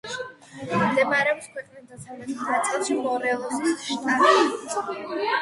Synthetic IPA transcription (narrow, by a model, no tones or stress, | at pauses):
md̪ɛmaɾɛɔpskʰwɛqʼnisd̪asʰalɛbisɾat̪sʼqʼiʃimɔɾɛlˠɔsʃt̪ʰʼaɾɛ